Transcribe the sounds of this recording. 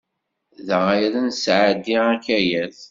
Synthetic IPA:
ðəʁajæðænsʕad̪ːiækːæjæθ

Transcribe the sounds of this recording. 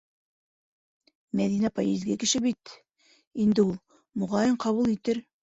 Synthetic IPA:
mæðinæpɑjezɡɘkɘ̆ʃɘbit̪ | ind̪ɘulˠ | mŏʁɑjɤɴqɑβulˠit̪ɘɾ

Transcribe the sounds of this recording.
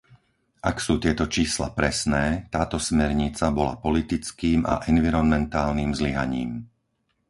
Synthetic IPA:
ʔaksuːt̪ɪɛt̪ɔt͡ʃiːsla̰pɾɛsnɛːt̪aːt̪ɔsmɛɾɲit͡sabɔla̰pɔlit̪it͡skiːma̰ʔɛnʋiɾɔnmɛnt̪aːlniːmzliɦa̰ɲḭːm

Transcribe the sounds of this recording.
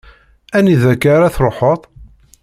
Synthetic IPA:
æniðækːaɾaθɾˤoħət̪ˤ

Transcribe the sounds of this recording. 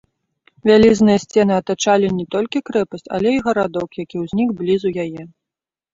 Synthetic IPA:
vʲalʲiznɨjɐsʲt͡sʲɛnɨɐt̪at͡ʂalʲinʲɛt̪ɔlʲkʲikɾɛpɐsʲt͡sʲa̰lʲɛiɣɐɾad̪ɔkjakʲiwzʲnʲikblʲizujajɛ

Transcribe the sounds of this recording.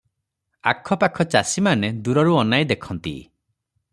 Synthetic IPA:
akʰɔpakʰɔt͡ʃasimaned̪uɾɔɾuɔnajd̪ekʰɔnt̪ḭ

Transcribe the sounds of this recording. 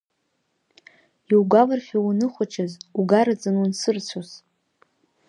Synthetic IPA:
iwɡʷalɨrfiwunɨχʷʊt͡ʃʰazuɡaɾad͡zɨnunsɨrt͡sʷʰoz

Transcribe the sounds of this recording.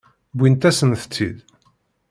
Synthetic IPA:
bʷint̪æsənθə̥t͡sːḭd̪

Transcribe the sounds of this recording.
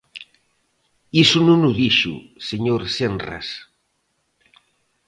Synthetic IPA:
isunũnuðiʃṵseɲoɾsenra̰s

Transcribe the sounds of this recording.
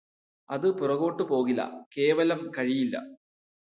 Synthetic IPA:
ɐðɨpurɐɣo̞ːʈːɨpo̞ːɣilːɐ̰ke̞ːʋɐlɐmkɐɻijilːɐ̰

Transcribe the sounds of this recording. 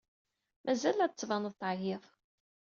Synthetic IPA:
mʔæzælæt͡sːvɑnəðˤt̪ʕjɪðˤ

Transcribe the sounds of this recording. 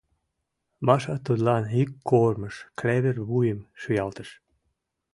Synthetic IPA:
mɑʃɑt̪od̪lɑnɦikːorməʃklæβerβujəmʃyjɑlt̪əʃ

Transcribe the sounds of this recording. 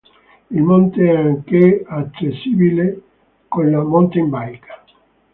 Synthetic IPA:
ilmont̪eɛaŋkeat͡ʃːesːiːbile | konlamont̪eimbajkʰḁ

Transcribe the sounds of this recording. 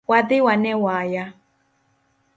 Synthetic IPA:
wadɪwanɛwaja

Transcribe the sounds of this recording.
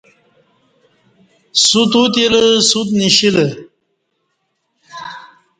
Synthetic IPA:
sut̪ut̪̬iləsut̪niɕilə

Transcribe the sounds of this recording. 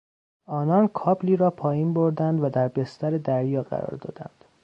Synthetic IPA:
ɒːnɒnkʰɒːbliːɾɒːpʰɒːjiːnboɾd̪ænd̪væd̪æɾbe̞st̪æɾed̪æɾjɒːɢæ̰ɾɒ̰ːɾd̪ɒ̰ːd̪æ̰nd̪̥

